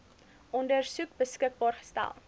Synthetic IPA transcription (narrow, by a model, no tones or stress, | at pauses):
ʔɔndərsukbəskək̚bɑːrχə̥stæ̰lˠ